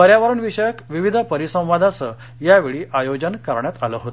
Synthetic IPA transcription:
əɾjaʋəɾəɳʋiɕəjəkʋiʋid̪ʱəpəɾisə̃w̃ʋad̪ʱat͡sə | jaʋeɭiːʔajod͡ʑənkəɾɳjat̪aləɦot̪

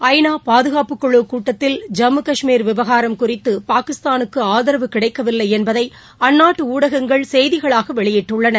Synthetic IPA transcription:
ɐɪnaːpaːðɯɣaːpɯkːɔɭːɯkuːʈːɐt̪ːɪld͡ʒɐmːɯkɐʂmiːɾʋɪʋɐɣaːɾɐmkʊrɪt̪ːɯpaːkɪst̪aːnɯkːɯaːðɐɾɐʋɯkɪɽɐɪkːɐʋɪlːɐɪɛnbɐðɐɪ | ɐnːaːʈːɯuːɽɐɣɐŋɡɐɭsɛjðɪɣɐɭaːɣɐʋɛɭɪjɪʈːɯɭːɐnɐɾ

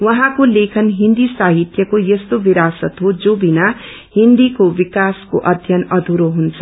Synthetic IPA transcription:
wʌɦãkolekʰʌnɦind̪isaɦit̪jʌkojʌst̪obiɾasʌt̪ɦod͡zobina | hind̪ikobikasko̰ʔʌd̪ʱjʌnʌd̪ʱuɾoɦunt͡sʰʌ

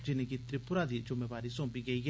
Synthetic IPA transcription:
d͡ʒɪnekit̪ɾɪpʊɾad̪id͡ʒʊmeːʋaːɾisõːpiɡɐiɡ

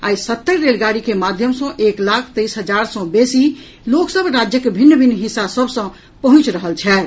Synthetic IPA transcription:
aisət̪ːəɾɾelɡaɾikemad̪ʱjəmsə̃ʔeklakʰt̪əjsɦəd͡ʒaɾsɔ̃besi | loksəbɾad͡ʒjəkebʱinːbʱinɦisːasəbʱsə̃ | pəɦũt͡ʃɾəɦəlt͡ʃʰɛ

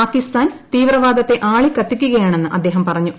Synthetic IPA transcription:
aːkːist̪aːnt̪iːʋrɐʋaːd̪ɐt̪ːe̞ʔaːɭikːɐt̪ːikʲːuɣɐjaːɳe̞nːɨʔɐd̪ːe̞ːɦɐmpɐrɐɲːu

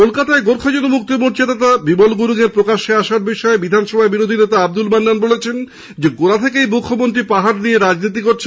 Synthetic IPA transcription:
kolkat̪aeɡoɾkʰad͡ʑod̪omuk̚t̪imuɾt͡ɕed̪at̪abibolɡuɾuɡeɾpɾokaʃeaʃaɾbiʃɔebid̪ʱanʃɔbʱaebiɾod̪ʱinet̪aab̚d̪ulmanːanbolet͡ɕʰen | d͡ʑeɡoɾat̪ʰekejmukʰːomont̪ɾipaɦaɾnieɾad͡ʑnit̪̬ikoɾt͡ɕʰe

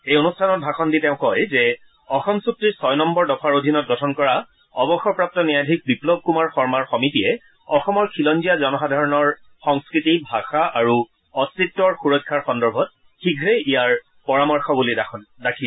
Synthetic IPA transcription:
ejonustʰanɔt̚bʱaxʰɔnditeʊ̃kɔjzɛ | ɔxɔmsuk̚tɹiɹsɔjnɔmbɔɹdɔfʰaɹodʱinɔt̚ɡɔtʰɔnkɔɹa | ɔbɔxɔpɹap̚tɔnijadʱik̚biplɔb̚ʱkumaɹfɔɹmaɹxɔmitiɛ | ɔxɔmɔɹkʰilɔnzijazɔnɔxadʱaɹɔnɔɹ | xɔŋskɹitibʱaxaʔaɹu | ɔstɹitːɔɹxuɹɔjkʰːaɹxɔndɔɹbʱɔt̚ | xiɡʱɹeijaɹ | pɔɹamɔɹxɔbuliandakʰi

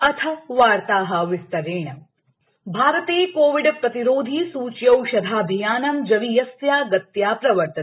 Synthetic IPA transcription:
ɐt̪ʰɐʋaːɾt̪aːɦɐ̆ʋɪst̪ɐɾeːɳɐ | bʱaːɾət̪eːkoːʋiɖpɾɐt̪iɾoːd̪ʱiːsuːt͡ʃjɐwʃɐd̪ʱaːbʱijaːnɐmd͡ʒɐʋijɐsjaːɡɐt̪jaːpɾɐʋɐɾt̪ɐ

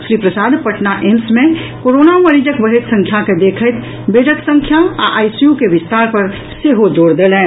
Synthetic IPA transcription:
ʃɾiːpɾəsaːd̪pəʈnaʔemsmẽkoːɾoːnaməɾiːd͡ʒəkbəɦet̪sə̃ŋkʰjaked̪eːkʰət̪ | beːɖək̪sə̃ŋkʰjaa̰ʔaːisjukeʋɪst̪aːɾpɐɾ | seɦod͡ʒoːɽd̪eːlẽː

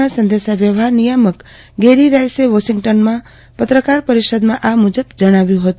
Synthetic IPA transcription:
asənd̪esaʋjəʋɦaɾnijamək | ɡeɾiɾajseʋɔʃiŋɡʈonmã | pət̪ɾəkaɾpəɾiʃəd̪mãʔamud͡ʒəbd͡ʒəɽ̃aʋjũɦət̪u

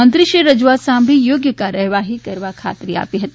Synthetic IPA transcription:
ɐ̃nt̪ɾiʃeɾɐd͡ʒuaːsãːmbʱijoːɡjəkaɾɐɦʋaːɦikɐɾʋakʰa̰ːt̪ɾia̰ːpiɦɐt̪

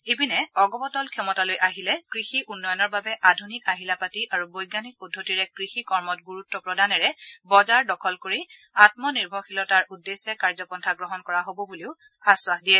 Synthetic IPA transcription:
ebinɛɔɡɔbɔtɔlkʰɛmɔtalojʔaɦilɛkɹixiʔunːɔjɔnɔɹbabɛʔadʱunikaɦilapatiʔaɹubojɡanik̚pɔdʱːotiɹɛkɹixikɔɹmɔt̚ɡuɹutːɔpɹɔdʱanɛɹɛbɔzaɹdɔkʰɔlkoɹiatmɔniɹbʱɔxʰilɔtaɹʔudːesɛkaɹzɔpɔntʰaɡɹɔɦɔnkɔɹaɦobɔbuliʊ | aswaxdiɛ

